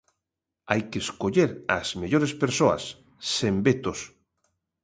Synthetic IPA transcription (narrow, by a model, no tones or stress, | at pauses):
ajkeskoʎeɾazmeʎoɾespeɾsoa̰sː | embet̪os